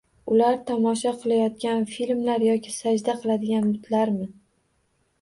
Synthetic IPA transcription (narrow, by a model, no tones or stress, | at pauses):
ʊlaɾt̪ʰɒmɒʃaqʰɨlˠajɒt̪̚kʲanfilmlaɾjɒkʲɪsad͡ʒd̪aqʰɨlˠad̪ɪɡʲanbʊt̪ʰlaɾmɪ